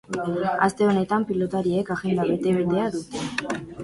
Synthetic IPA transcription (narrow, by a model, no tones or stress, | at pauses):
ast̪e̞o̞ne̞t̪ampilo̞t̪aɾiekaɣe̞nd̪aβe̞t̪e̞βed̪e̞aðut̪e